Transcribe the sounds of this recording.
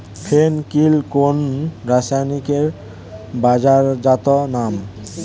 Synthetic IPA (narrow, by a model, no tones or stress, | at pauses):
pʰenkilkonɾasanikeɾ | bad͡ʑaɾd͡ʒat̪ɔnam